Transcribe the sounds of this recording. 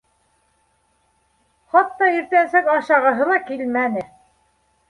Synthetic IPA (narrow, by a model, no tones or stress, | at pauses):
χɑt̪ːɑiɾt̪ænsækɑɕɑʁɤ̆ɦɤlˠɑkilmænɘ